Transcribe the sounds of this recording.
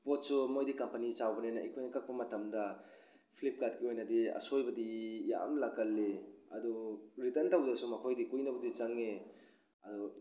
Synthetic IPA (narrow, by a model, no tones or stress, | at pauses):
pot̚sumojdikɐmpɐnit͡ʃawbɐnenɐ̰ʔḭkʰojnɐkʰɐk̚pɐmɐtʰɐmdɐ | pʰlip̚katkiojnɐdiɐ̰sojbɐdija̰mlakɐlːeɐduɾitɐntawbdɐsumɐkʰojdikujnɐbɐdit͡ʃɐŋe | ɐdu